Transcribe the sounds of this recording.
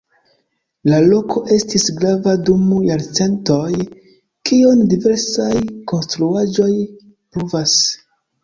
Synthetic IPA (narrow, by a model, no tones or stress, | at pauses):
lalo̞kʰo̞ʔe̞stisɡɾavadumujaɾt͡se̞nto̞j | kiondive̞ɾsajko̞nstɾuad͡ʒo̞j | pɾuvas